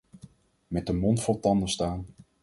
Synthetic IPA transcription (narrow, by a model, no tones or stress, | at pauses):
mɛd̚dəmɔntfɔlˠtɑndəstaːn